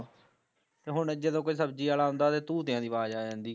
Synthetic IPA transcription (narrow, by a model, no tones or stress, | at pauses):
t̪eːɦʊɳd͡ʒed̪õːkoisəbd͡ʒiːaːlaːɦõːnd̪aːt̪eːt̪uːt̪ɪjãːd̪iːbaːd͡ʒaːd͡ʒãːnd̪iː